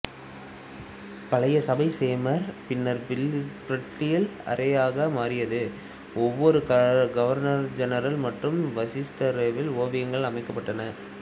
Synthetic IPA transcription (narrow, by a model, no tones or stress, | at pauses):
pɐɭɐjɐsɐbɐɪseːmɐɾpɪnːɐɾpɪlpɾɐʈrɪjɐlɐ̰ɾʔɐjaːɣɐmaːɾɪjɐðɯ | ɔʋːɔɾɯkɐɡɐʋɐɾnɐɾd͡ʒɐnɐɾɐlmɐʈrɯmʋɐsɪsʈɐɾɐʋɪloːʋɪjɐŋɡɐɭɐmɐɪkːɐpːɐʈːɐnɐ